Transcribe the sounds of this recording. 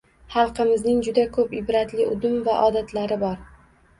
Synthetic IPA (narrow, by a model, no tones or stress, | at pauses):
hɑlˠqɨmɪznɪŋd͡ʒʊd̪akʰɵpɪbɾat̪lɪʔʊd̪ʊmvaʔɒd̪at̪ʰlaɾɪbɒɾ